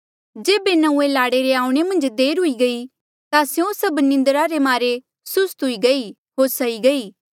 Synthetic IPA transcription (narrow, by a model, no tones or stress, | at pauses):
d͡ʒeːbenɐ̃ũelaːɽeɾeãːũɽ̃emɐ̃nd͡ʒd̪eːɾɦʊiɡɐi | t̪asjõsɐbnɪ̃nd̪əɾaɾemaːɾe | sʊst̪ɦʊiɡɐi | ɦoːɾsɐiɡɐiː